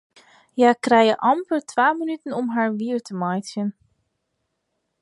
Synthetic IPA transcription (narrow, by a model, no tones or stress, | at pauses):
jaːkrɛjəʔɑmpətʰʋaːmənytənɔmɦaːɹʋiərtəmajsjən